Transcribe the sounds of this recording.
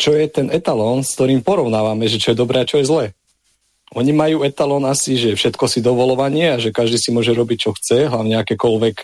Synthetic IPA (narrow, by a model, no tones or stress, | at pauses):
t͡ʃɔjɛt̪ɛnɛt̪alɔːnskt̪ɔɾiːmpɔɾɔʊnaːʋamɛʒɛt͡ʃɔjɛd̪ɔbɾɛːat͡ʃɔjɛzlɛː | ʔɔɲimajuːɛt̪alɔnasiʒɛfʃɛt̪kɔsid̪ɔʋɔlɔʋaɲɪɛaʒɛkaʒd̪iːsimʊɔʒɛɾɔbic̚t͡ʃɔxt͡sɛɦlaʊɲɛakɛːkɔlʋɛk